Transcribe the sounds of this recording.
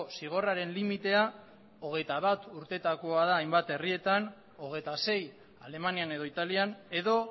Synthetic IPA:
siɣ̞o̞raɾe̞nlimit̪e̞a | o̞ɣ̞e̞jt̪aβat̪uɾt̪e̞t̪ako̞aðaːjmbat̪e̞rie̞t̪an | o̞ɣ̞e̞jt̪ase̞j | ale̞maniane̞ð̞o̞it̪aliane̞ðo̞

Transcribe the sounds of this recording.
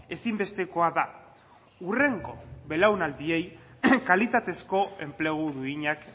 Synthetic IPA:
e̞simbe̞st̪e̞ko̞aða | ure̞ŋɡo̞̰βe̞lawnald̪ie̞jkalit̪at̪e̞sko̞e̞mple̞ɣ̞uðuiɲak

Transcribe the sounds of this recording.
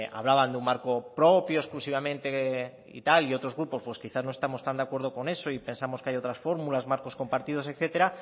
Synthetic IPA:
a̰β̞laβ̞and̪eummaɾko̞pɾo̞pjoesklusiβ̞amẽ̞nt̪e | ḭt̪alio̞t̪ɾo̞zɣɾupo̞spwe̞skiθazno̞est̪amo̞st̪and̪eakwe̞ɾð̞o̞ko̞ne̞so̞ipe̞nsamokeajo̞t̪ɾasfo̞ɾmulazmaɾko̞sko̞mpaɾt̪ið̞o̞s̬e̞kθe̞t̪e̞ɾa

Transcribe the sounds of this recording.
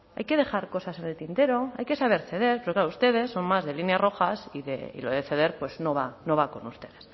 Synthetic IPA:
ajke̞ð̞e̞xaɾko̞sase̞ne̞lt̪int̪e̞ɾo̞ajke̞saβe̞ɾθe̞ð̞e̞ɾpeɾoklaɾoust̪e̞ð̞e̞sːo̞ŋmazðe̞linjaro̞xasiðḛḭlo̞ðeθe̞ð̞e̞ɾpwe̞zno̞βano̞β̞ako̞nust̪e̞ðe̞s

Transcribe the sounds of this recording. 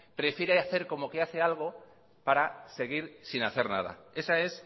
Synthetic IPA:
pɾe̞fjeɾeaθe̞ɾko̞mo̞ke̞aθe̞alɣ̞o | paɾase̞ɣ̞iɾsinaθeɾna̰ð̞a̰e̞sae̞s

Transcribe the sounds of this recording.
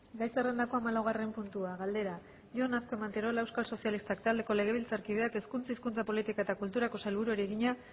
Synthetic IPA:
ɡajsere̞nd̪ako̞amalawɣ̞are̞mpunt̪uaɣald̪e̞ɾa | ʝo̞nasko̞e̞mant̪eɾo̞laewskalso̞sialist̪akt̪ald̪e̞ko̞le̞ɣ̞e̞βilt͡saɾkið̞e̞ake̞skunt͡saiskunt͡sapo̞lit̪ikaet̪akult̪uɾako̞salβuɾueɾeɣiɲa

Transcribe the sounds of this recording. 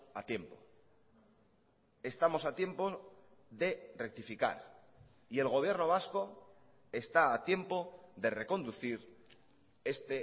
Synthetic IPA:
at̪je̞mpo | e̞st̪amo̞sat̪je̞mpo̞ | ðe̞re̞k̚t̪ifika̰ɾ | ie̞lɣo̞β̞je̞ɾno̞β̞asko̞ | e̞st̪aːt̪je̞mpo̞ðe̞re̞ko̞nd̪uθiɾ | e̞st̪e

